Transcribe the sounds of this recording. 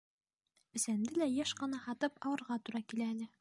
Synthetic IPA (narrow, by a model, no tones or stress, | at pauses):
ɘ̆sænd̪ɘlæjæʃqɤ̆nɑhɑt̪ɤpɑwɤ̆ɾʁɑt̪uɾɑkilæinɘ